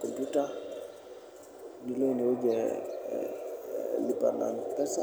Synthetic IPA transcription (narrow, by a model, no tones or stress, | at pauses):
kɔmpjuta | nilɛniɔd͡ʒɛ | lipa̰na̰npɛsa